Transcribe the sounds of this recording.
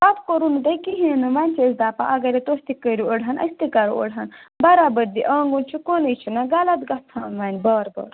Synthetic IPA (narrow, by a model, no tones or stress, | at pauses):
pafkoɾunud̪ɐjkiɦiɐnumaːnʲt͡ʃʰezd̪aːpã̰ʔɐɡɐɾet̪ost̪ikəɾioɽɦɐnʔɐ̰sʲt̪ikɐɾṵɐ̰ɽɐnbɐɾaːbɐɾd̪iʔaːŋɡunt͡ʃʰukonɐjt͡ʃʰunaɡɐlɐt̪ɡɐt̪ʰaːnʋaːnʲbaːɾbɐ̰ːɾ